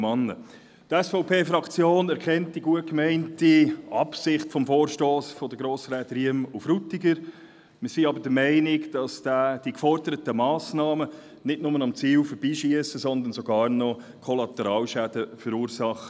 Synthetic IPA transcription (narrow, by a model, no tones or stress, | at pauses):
mɑnːə̰ | t̪ɛsfɔʊpʰeːfɾɑkt͡sjoːnɛɾkʰɛntdiɡuət̚kmɛɪntiʔɑpsɪχtfɔmfoːɾʃtoːsfɔd̪əɡɾoːsɾɛːdɾiəmufrut̪ːɪɡəɾ | məsiɑbəd̥əmɛɪnɪkd̥ɑsd̥æːd̥ikfɔɾdəɾətəmɑːsnɑːmə | nɪdnʊmənɑmt͡siːlfəɾbiːʃiəsəsɔnd̪ənsɔɡɑːrnɔ | kʰɔlɑt̪ɛɾɑːlʃæd̥əfəɾuːɾsɑχə